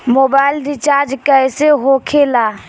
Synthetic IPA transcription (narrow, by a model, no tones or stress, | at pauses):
mobaɪlɾit͡ʃaɾd͡ʒkəseɦokʰela